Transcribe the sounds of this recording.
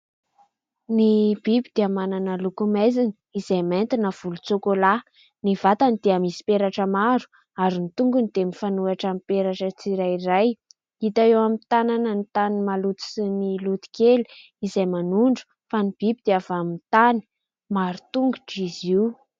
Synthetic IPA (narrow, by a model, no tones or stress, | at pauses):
nib̥ibid̪eamananəlukumezini̥izajment̪inəv̥ulut͡sokola | niv̥at̪anid̪eamisi̥peɾaʈ͡ʂəmaɾu̥ | aɾinit̪uŋɡunid̪̥emifanuaʈ͡ʂamipeɾaʈ͡ʂət͡siɾajɾaj | it̪aewamit̪ananənit̪animalut̪i̥sinilut̪i̥keli̥ | izajmanuɳɖ͡ʐu̥ | fanib̥ibid̪̥eavamint̪ani̥ | maɾu̥t̪uŋɡuʈ͡ʂiziw